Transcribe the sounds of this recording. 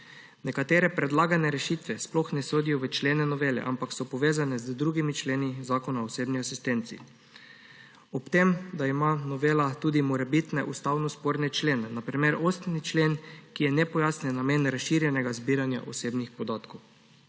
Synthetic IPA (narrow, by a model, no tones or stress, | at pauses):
nɛkat̪eːɾɛpɾɛd̪laːɡanɛɾɛʃit̪ʋɛsplɔxnɛsoːd̪ijɔʋɛt͡ʃleːnɛnɔʋeːlɛ̰ʔampaksɔpɔʋeːzanɛzd̪ɾuːɡimit͡ʃleːnizaːkɔnaɔseːbniasist̪ent̪sḭ | ɔpt̪emd̪aimanɔʋeːlat̪uːd̪imɔɾɛbit̪nɛʔust̪awnɔspoːɾnɛt͡ʃleːnɛnapɾimeɾost̪nit͡ʃleːnkijɛnɛpɔjaːsnɛnameːnɾasʃiɾjɛnɛɡazbiɾanja̰ʔɔseːbnixpɔd̪aːt̪kow